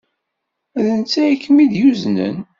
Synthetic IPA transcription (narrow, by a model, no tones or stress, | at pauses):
æðənt͡sːæikːəmiðjuznə̰n